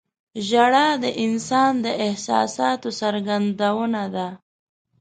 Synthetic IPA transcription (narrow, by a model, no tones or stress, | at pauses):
ʒaɽad̪əʔɪnsɑnd̪əʔɪhsɑ̰sɑt̪osaɾɡand̪awənad̪a